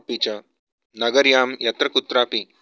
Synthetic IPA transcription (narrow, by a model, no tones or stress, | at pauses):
pit͡ɕa | nɐɡəɾjaːmjɐt̪ɾɐkut̪ɾaːpi